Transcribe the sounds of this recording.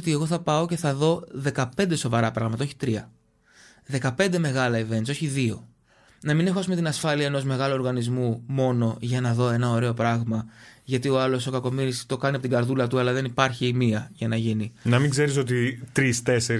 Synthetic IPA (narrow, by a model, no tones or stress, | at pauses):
t̪ie̞ɣo̞θɐpɐo̞ce̞θɐðo̞ðe̞kɐpe̞nd̪e̞so̞vɐɾɐpɾɐɣmɐt̪ɐoçi̥t̪ɾiɐ | ðe̞kɐpe̞nd̪e̞me̞ɣɐlɐive̞nt̪soçiðio̞ | nɐmine̞xoɐs̬ume̞t̪inɐsfɐliɐeno̞zme̞ɣɐloo̞ɾɣɐnizmumo̞no̞ʝɐnɐðo̞e̞nɐo̞ɾe̞o̞pɾɐɣmɐʝɐt̪io̞ɐlo̞so̞kɐko̞miɾist̪o̞kɐniɐpot̪iɡɐɾðulɐt̪uɐlɐðe̞nipɐɾçiːmiɐʝɐnɐʝininɐmiŋɡze̞ɾiso̞t̪̬it̪ɾist̪e̞seɾ